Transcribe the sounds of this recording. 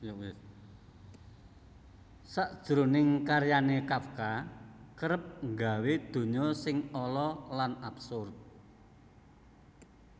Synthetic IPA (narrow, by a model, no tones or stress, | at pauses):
j | saʔd̥ʒ̥ɾo̤nɪŋkaɾjanekafkakəɾəp̚ŋɡa̤wed̪̥o̤ɲɔsɪŋɔlɔlanabsʊrp̚